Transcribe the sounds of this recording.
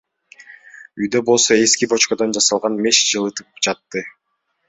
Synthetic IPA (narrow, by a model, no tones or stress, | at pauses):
yjd̪ø̞bo̞lˠso̞e̞skibo̞t͡ʃkod̪ond͡ʒɑsɑlˠʁɑnme̞ʃd͡ʒɯlˠɯt̪ɯp̚d͡ʒɑt̪ːɯ